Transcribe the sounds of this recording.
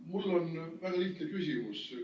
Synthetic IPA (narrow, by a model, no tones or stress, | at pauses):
mulːonʋæɡɑliht̪nekysimus